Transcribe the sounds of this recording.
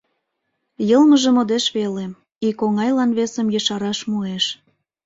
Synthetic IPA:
jɤlməʒə̆mod̪eʃβelem | ikoŋɑjlɑnβesəmjəʃɑɾɑʃmueʃ

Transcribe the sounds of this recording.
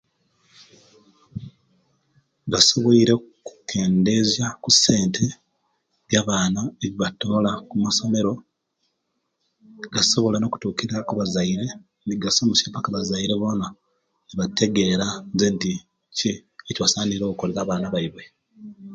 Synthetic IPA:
ɡaso̞βoiɾe̞ku̥ke̞ːnde̞zjakusːe̞ːntʰe̞ | βjaβaːnaeβiβato̞ːlakumaso̞me̞ɾo̞ | ɡaso̞βo̞lano̞ku̥tuːkiɾakuβazaiɾe | niɡasomusepakaβazaiɾe̞βo̞na | eβate̞ɡe̞ːɾazenti | ceːcwasaːniɾo̞ːkoleɾaːβaːnaβaiβwe̞

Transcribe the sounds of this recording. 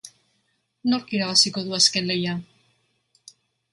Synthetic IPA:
no̞ɾkiɾaβasiko̞ðuaske̞nle̞ja

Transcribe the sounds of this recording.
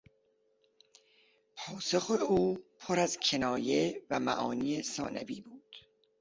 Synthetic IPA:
pʰɒːsoxeuːpʰoɾæzcʲʰenɒːje̞væmæ̰ʔɒːniːesɒ̰ːnʔæ̰biːbuːd̪̥

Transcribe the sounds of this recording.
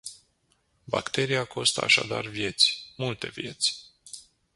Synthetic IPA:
ba̰kt̪e̞ɾijakʰo̞st̪əa̰ʃa̰d̪a̰rvje̞t̪sʲmult̪e̞vje̞t̪sʲ

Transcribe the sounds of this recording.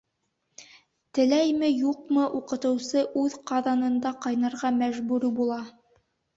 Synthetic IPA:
t̪ɘ̆læjmɘjuqmɤʔuqɤ̆t̪ɤ̆wsɤʔʉðqɑðɑnɤ̆nd̪ɑqɑjnɑ̆ɾʁɑmæʒbʉɾbulˠɑ

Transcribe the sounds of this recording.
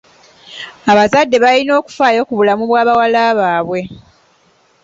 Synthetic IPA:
aβazadːe̞βalino̞ːku̥faːjo̞ːkuβulamuβwaːβawalaːβaːβwe̞

